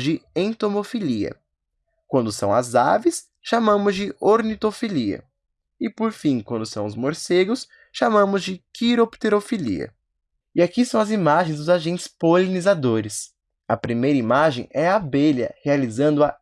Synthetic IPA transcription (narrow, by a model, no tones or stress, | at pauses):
d͡ʒɪẽt̪omofiliɐ̰ | kwɐ̃nd̪ʊsɐ̃w̃ɐza̰vɪs | ʃamɐ̃mʊzd͡ʒɪʔoɾnit̪ofiliɐ̰ | ɪpoɾfĩkwɐ̃nd̪ʊsɐ̃w̃ʊzmoɾseɡʊs | ʃamɐ̃mʊzd͡ʒɪkiɾopt̪eɾofilḭɐ̰ | ɪakisɐ̃w̃ɐzimaʒẽj̃zd̪ʊzaʒẽnt͡ʃɪ̥spolinizad̪oɾɪs | ɐpɾimejɾɐimaʒḛ̃j̃ɛabeʎɐ̰healizɐ̃nd̪ʊɐ